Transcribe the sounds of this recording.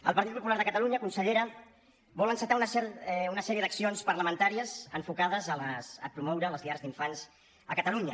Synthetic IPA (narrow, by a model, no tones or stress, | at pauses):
ə̰lˠpəɾt̪it̪̚pupulaɾðəkət̪əluɲəkunsəʎeɾə | βɔlənsət̪aunəsɛunəsɛɾiəðəksionspəɾləmənt̪aɾiəzəɱfukaðəzələsəpɾumɔwɾələzðiaɾzðiɱfanz | əkət̪əluɲə